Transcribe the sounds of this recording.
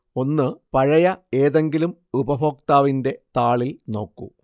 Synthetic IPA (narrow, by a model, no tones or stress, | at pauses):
o̞nːɨpɐɻɐjɐe̞ːðe̞ŋɡilumubɐbo̞ːk̚t̪aːʋinde̞t̪aːɭilno̞ːkːṵ